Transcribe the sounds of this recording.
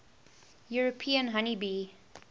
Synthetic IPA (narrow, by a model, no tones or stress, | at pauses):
juɹopʰiə̃nɦʌnibi